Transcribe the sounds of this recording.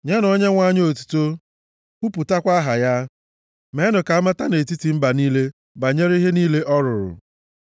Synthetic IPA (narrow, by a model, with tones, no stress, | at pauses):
ɲe˦nɔ˦ɲe˦ŋʷa˦ɲ˦o˨tu̥˦to˦ | ku˦pu˨ta˦kʷa˦ɦa˨ja˦ | me˨˦nʊ˨ka˨a˦ma˦ta˦ne˨ti˦ti˨m̩˦ba˨niː˦le˦ | ba˨ɲe˦ɾi˦ɦe˦niː˦le˦ʔɔ˦ɾʊ˨ɾʊ̰˨